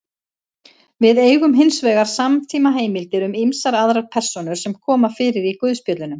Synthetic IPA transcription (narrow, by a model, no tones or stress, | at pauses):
vɪðeːjɣʏmɦɪnsvɛːɣaɾ̥samt̪ʰiːmaɦeːjmɪlt̪ɪɾʏmimsaɾaðɾaɾpʰɛr̥sɔnʏɾ̥sɛmkʰɔːmafɪːɾɪɾikʏðspjœːt̪lʏnʏm